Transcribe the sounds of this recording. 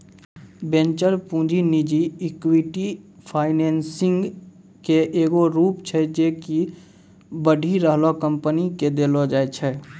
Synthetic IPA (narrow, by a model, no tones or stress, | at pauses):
bẽnt͡ʃəɾpũːd͡ʒinid͡ʒiɪkwiʈipʰaːɪneːnsɪ̃ŋɡ | keʔeːɡoɾuːpt͡ʃʰɛd͡ʒeːki | bəɖʱiɾəɦlokəmpəniked̪eːlod͡ʒaːet͡ʃʰɛ